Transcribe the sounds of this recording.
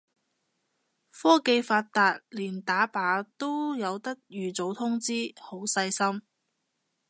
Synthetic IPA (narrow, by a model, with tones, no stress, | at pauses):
fɔː˥ke˧jfaː˧t̚t̪aː˧t̚liː˨˩nt̪aː˨˥paː˨˥t̪o˥wjɐ˨˧wt̪ɐ˥k̚jyː˨t͡so˨˥wt̪ʰʊ˥ŋt͡siː˥ho˨˥wsɐ˧jsɐ˥m